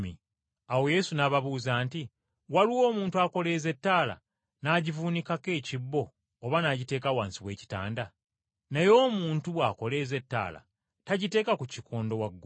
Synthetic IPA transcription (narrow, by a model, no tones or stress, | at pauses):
mi | awo̞je̞sunaβaβuːzaːnti | waliwo̞ːmuːntuako̞le̞ːze̞tːaːla̰ | naːɟivuːnikake̞ːcibːo̞ː | βanaɟite̞ːkawaːnsiβwe̞ːci̥ta̰ːnda | nejo̞ːmuːntuβwako̞le̞ːze̞tːa̰ːla̰ | taɟite̞ːkakucikʰoːndo̞waɡː